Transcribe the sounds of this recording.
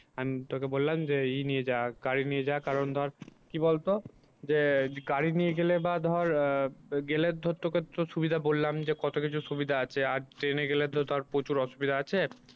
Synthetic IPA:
amit̪okebollamd͡ʑeinijed͡ʑaɡaɾinied͡ʑakaɾond̪ʱɔɾkibolt̪o | d͡ʑeɡaɾinijeɡelebad̪ʱɔɾ | ɡeled̪ʱot̪ːoket̪oʃubid̪ʱabolːamd͡ʑekɔt̪okit͡ɕʰuʃubid̪ʱaat͡ɕʰeaɾʈɾeneɡeled̪ʱod̪oaɾpɾot͡ɕuɾɔʃubid̪ʱaat͡ɕʰe

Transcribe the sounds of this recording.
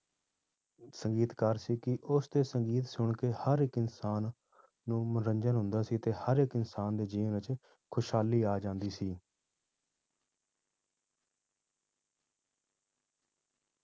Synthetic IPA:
səŋɡiːt̪kəɾsiːkɪʔʊst̪eːsəŋɡiːt̪sʊɳkeːhəɾɪkɪnsaːnː | ũːmənɾəɲd͡ʒənɦʊ̃nd̪aːsiːt̪eːhəɾɪkɪnsaːnd̪eːd͡ʒiːʋnət͡ʃ | kʰʊʃɦaːliːaːd͡ʒãːnd̪iːsiː

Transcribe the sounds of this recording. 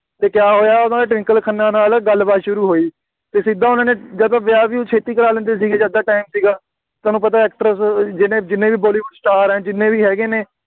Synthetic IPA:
t̪eːkɪjaːɦoːjaːʊd̪ãdeːʈʋɪ̃ŋkəlkʰənːãːnaːlɡəlbaːt̪ʃʊɾuːɦoːiː | t̪eːsɪd̪ãːʊnãːneːd͡ʒəd̪ãːʋɪaːʋĩːt͡ʃʰeːt̪iːkəlaːlə̃nd̪eːs̬iːɡeːd͡ʒaːd̪aːʈaːimsiːɡaː | aːnũːpət̪aːɛːk̚ʈɾəsd͡ʒɪnẽːd͡ʒɪnẽːʋiːbɔːliːbəɖsʈaːɾɛ̃ːd͡ʒɪnẽːʋiːɦɛːɡeːneː

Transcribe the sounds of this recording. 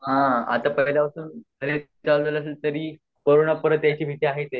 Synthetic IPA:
ɦãa̰t̪apəjlapəsuːnkʰəɾet͡sald̪ələs̬elt̪əɾiː | pəɾunəpəɾət̪jat͡ɕiːbʱit̪iaɦet̪e

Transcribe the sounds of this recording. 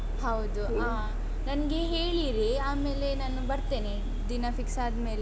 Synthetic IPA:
hɐwd̪u | aː | nɐnɐɡe̞ɦeːɭiɾiaːme̞ːle̞naːnubɐɾt̪e̞ːne | d̪inɐfiksaːd̪me̞ːle

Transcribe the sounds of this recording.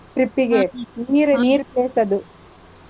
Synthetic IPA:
pɾipːiɡeniːɾniːɾpeːsɐd̪u

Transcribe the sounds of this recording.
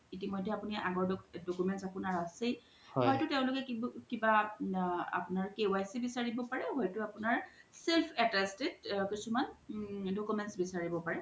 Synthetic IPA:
itimɔjdʱɛapuniʔaɡɔɹdɔkdokumɛntsapunaɹasej | hɔhɔjtʊteʊ̃lʊkɛkkiba | a̰pʊnaɹkewajsibisaɹibɔpaɹɛhɔjtʊapʊnaɹselpʰɛtɛstedkisumandokumɛntsbisaɹibɔpaɹɛ

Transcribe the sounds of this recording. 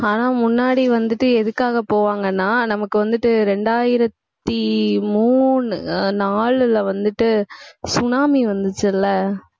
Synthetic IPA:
aːnãːmʊnːaːɽiʋɐnd̪ɯʈːɯɛðɯkːaːɣɐpoːʋaːŋɡɐnːaːnɐmɐkːɯʋɐnd̪ɯʈːɯɾɛɳɖaːjɪɾɐt̪ːimuːɳɯnaːɭɪlɐʋɐnd̪ɯʈːɯsʊnaːmiʋɐnd̪ɯt͡ʃːɯɪlːɐ

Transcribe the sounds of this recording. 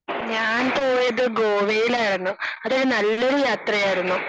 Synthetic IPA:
ɲaːnpoːjeðɨɡoːʋejilaːjiɽɐnːuɐðiɽnɐlːɐɽujaːt̪rɐjaːjiɾunːu

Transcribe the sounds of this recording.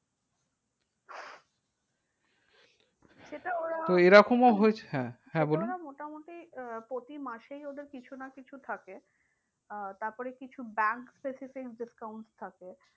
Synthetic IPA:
ʃeʈaoɾat̪oeɾɔkʰomaɦoet͡ɕʰehɛ̃hɛ̃bolunamoʈamoʈipɾot̪imaʃejod̪eɾkit͡ɕʰunakit͡ɕʰut̪ʰake | t̪aɾpɔɾekit͡ɕʰubɛŋkspesifikɖiskawɳʈst̪ʰake

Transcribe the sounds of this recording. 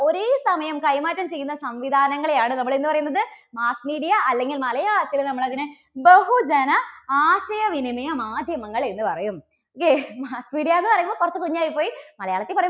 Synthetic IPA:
o̞ɾesɐmɐjɐmkɐjmaːtːɐmt͡ɕe̞jːunːɐsɐmʋid̪ʱaːnɐŋːɐɭejaːɳɨnɐmːɐɭenːɨpɐrɐjunːɐðɨmaːsmiːɽijɐɐlːe̞ŋɡilmɐlɐjaːɭɐt̪ːilnɐmːɐɭɐðinɨ | beɦud͡ʑɐnɐaːɕɐjɐʋinimɐjɐmaːd̪ʱjɐmɐŋːɐɭe̞nːɨpɐrɐjum | kːemaːsmiːɽijaenːɨpɐrɐjumbokurɐt̪ːɨkoɲːaːjipːoːjimɐlɐjaːɭɐt̪ːipɐrɐjum

